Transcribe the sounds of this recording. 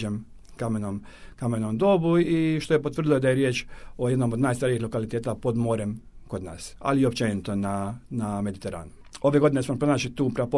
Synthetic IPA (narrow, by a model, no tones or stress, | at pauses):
em | kamenom | kame̞nomd̪o̞buiʃt̪o̞je̞pot̪ʋr̩d̪ijod̪aje̞ɾje̞ːt͡ʃo̞jed̪no̞mod̪naːjst̪aɾiixlˠo̞kalit̪eːt̪apo̞d̪mo̞ːɾemko̞d̪na̰ːsa̰liio̞pt͡ʃenit̪o̞naname̞d̪it̪e̞ɾa̰ːnu | o̞ʋe̞ɡo̞d̪inesmompɾo̞naːt͡ʃlit̪uːpɾapo